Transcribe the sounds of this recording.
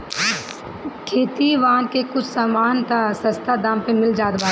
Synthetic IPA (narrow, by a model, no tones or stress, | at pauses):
kʰeːt̪iʋaːnkekʊt͡ʃʰsaːmaːnt̪ʰasɐ̃st̪ʰad̪ãːmpemɪld͡ʒaːd̪baː